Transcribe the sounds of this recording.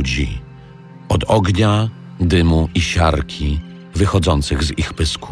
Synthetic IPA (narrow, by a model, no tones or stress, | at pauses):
d͡ʑḭ | ɔd̪ɔɡɲa | d̪ɘmuʔiɕaɾkʲʰi | vɘxɔd̪zɔnt̪sɘɣzixpɘsku̥